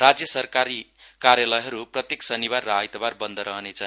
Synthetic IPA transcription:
rad͡zjʌsʌrkaɾikaɾjalʌjɦʌɾuprʌt̪jeksʌnibarːaajt̪ʌbarbʌnd̪ʌɾʌɦʌnet͡sʰʌn

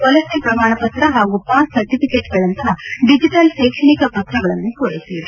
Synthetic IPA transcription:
pɔlɐsipɾɐmaːɳɐpɐt̪ɾɐɦaːɡupaːssɐɾʈipikeːʈɡɐɭɐnt̪ɐɦɐɖid͡ʒiʈɐlʃeːkʂɐɳikɐpɐt̪ʰːɾɐɡɐɭɐnːukoɽit̪ːie

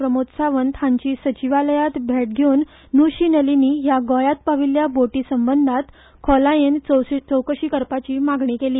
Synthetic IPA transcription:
pɾəmot̪saʋənt̪ʰãɲt͡ɕiːsət͡ɕiʋaləjat̪bʱeʈ̚ɡʱeunː | uɕiːnəliniːjaɡɔjat̪̚paʋiljaboʈiːsəmbənd̪ʱat̪ | kʰɔlajent͡st͡səwkəɕiːkəɾpat͡ɕiːmaɡɳikeliː

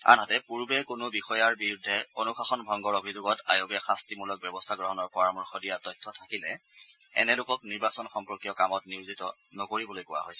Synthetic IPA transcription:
a̰nɦɔtɛpuɹbɛkʊnʊbixɔjaɹbiɹudʱːɛonuxaxɔnbʱɔŋɡɔɹobʱizʊɡɔtajoɡɛxastimulɔk̚bjɛbɔstʰaɡɹɔɦɔnɔɹpɔamuɹxɔdijatɔjtʰːɔtʰakilɛɛ̰nɛlʊkɔkniɹbasɔnxɔmpɹɔkijɔkamɔtniɹzitɔnɔkoɹibɔlojkʊwa̰ɦo̰jsɛ

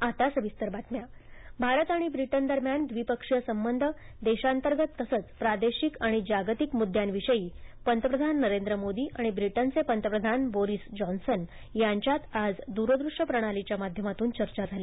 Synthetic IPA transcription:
at̪asʋist̪əɾbat̪mjabʱaɾət̪aɽ̃ibɾiʈənd̪əɾmjand̪ʋipəkʂjəsəmbənd̪ʱəd̪eɕant̪əɾɡət̪ːəsət͡spɾad̪eɕikaɽ̃id͡ʑaɡt̪ikmud̪ʱːjanʋiʂəjiːpənt̪əpɾəd̪ʱanːəɾend̪ɾəmod̪iːʔaɽ̃ibɾiʈənt͡sepənt̪əpɾəd̪ʱanboɾisd͡ʑɔnsən | jaɲt͡ɕjat̪ad͡zd̪uɾəd̪ɾuʂəpɾəɽ̃alit͡ɕjamad̪ʱjəmat̪uːnt͡ɕəɾt͡ɕad͡zʱali

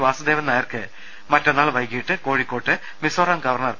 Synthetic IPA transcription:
ʋaːsud̪eːʋɐnːaːjɐrkɨ | mɐtːɐnːaːɭʋɐjkːijiʈːɨko̞ːɻikːoːʈːɨ | misoːɾaːnɡɐʋɐrɳɐr

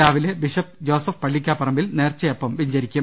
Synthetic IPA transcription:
aːʋilebiɕɐp̚d͡ʑo̞ːsɐfpːɐɭːikʲːaːpɐrɐmbilne̞ːrt͡ɕːɐjɐpːɐmʋiɲd͡ʑɐɾikʲːu

